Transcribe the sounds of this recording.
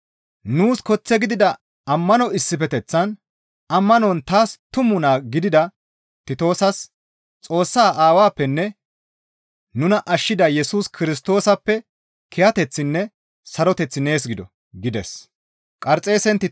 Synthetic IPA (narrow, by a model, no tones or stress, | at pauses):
nuːskɔt͡sːɛɡɪd̪ɪd̪ɐ | ɐmːɐnɔɪsːɪfɛt̪ɛt͡sːɐn | ʔɐmːɐnɔnt̪aːst̪ʊmʊnaːɡɪd̪ɪd̪ɐ | t̪ɪt̪o̞ːsɐs | t͡sʼo̞ːsːaːʔaːwaːpːɛnːɛ | nʊnɐʔɐʃːɪd̪ɐjɛsuːskʰɪɾɪst̪o̞ːsɐpːɛ | kʰɛjɐt̪ɛt͡sːɪnːɛ | sɐɾɔt̪ɛt͡sːɪne̞ːs̬ɡɪd̪ɔ | ɡɪd̪ɛs | kʼɐɾt͡sʼe̞ːsɛnt̪ɪ